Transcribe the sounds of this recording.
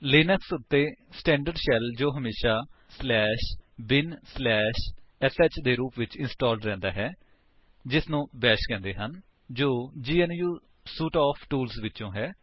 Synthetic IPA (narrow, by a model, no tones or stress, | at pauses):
lɪːnəksʊt̪ːeːsʈɛ̃ːɳɖəɾɖʃɛld͡ʒoːɦəmeːʃaːslɛːʃbɪnslɛːʃɛsɛt͡ʃd̪eːɾuːpʋɪt͡ʃɪnsʈɔːlɖɾɛ̃ːnd̪aːɦɛː | d͡ʒɪsnũːbɛːʃkɛ̃ːnd̪eːɦən | d͡ʒoːd͡ʒiːɛnjuː | suːʈaːpʰʈuːlsʋɪtːt͡ʃõːɦɛː